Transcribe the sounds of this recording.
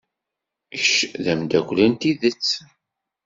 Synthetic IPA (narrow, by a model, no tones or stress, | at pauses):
çʃðæmd̪ækʷlænt̪iðət͡sː